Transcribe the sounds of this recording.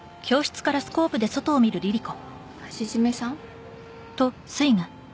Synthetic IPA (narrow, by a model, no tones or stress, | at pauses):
kʲo̞ːɕɨ̥t͡sɨ̥kaɾasɨ̥ko̞ːpɯ̟d̪e̞so̞t̪o̞ːmʲiɾɯ̟ɾʲiɾʲiko̞ | ɕizimesãŋ | t̪o̞ | sɨiŋa